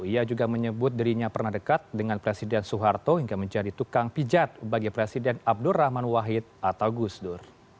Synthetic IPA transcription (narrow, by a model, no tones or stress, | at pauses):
iad͡ʒuɡaməɲəbʊt̪̚diɾiɲapərnahdəkat̪̚dəŋanpɾesidɛnsuɦart̪ohiŋɡaməɲd͡ʒadit̪ukaŋpid͡ʒat̪̚baɡipɾesidɛnab̚dʊrahmanwaɦɪt̪̚at̪awɡusdʊr